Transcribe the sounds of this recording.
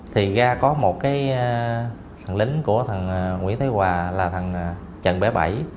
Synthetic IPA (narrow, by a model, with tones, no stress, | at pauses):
t̪ʰi˨˩ɣaː˧kɔ˨˦mo˨˩t̚kaː˨˦j | t̪ʰə˨˩ŋlï˨˦ŋ̟ku˧˩ət̪ʰə˨˩n˨˩ŋwḭ˧˥ənt̪ʰe˨˦jwaː˨˩laː˨˩t̪ʰə˨˩n˩ | t͡ɕə̰˧˨nɓɛ˧˩ɓa̰˧˩j